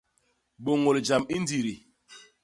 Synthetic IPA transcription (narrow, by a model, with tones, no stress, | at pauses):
ɓo˨ŋo˨ld͡ʒa˨mi˦n˦di˨ɾi˨